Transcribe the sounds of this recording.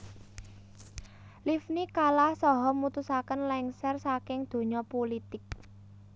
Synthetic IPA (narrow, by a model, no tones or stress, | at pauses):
lifnikalahsɔɦɔmut̪usakənlɛŋsɛrsakɪŋd̪̥o̤ɲɔpolit̪ɪk̚